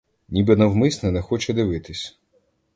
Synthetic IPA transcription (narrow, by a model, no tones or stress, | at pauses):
nʲibɪnɐwmɪsʲnɛnɛxɔt͡ʃɛd̪ɪʋɪt̪ɪsʲ